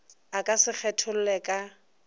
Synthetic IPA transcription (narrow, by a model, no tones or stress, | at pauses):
akʼasɪk͡xʰɛtʰʊl̩lɛkʼa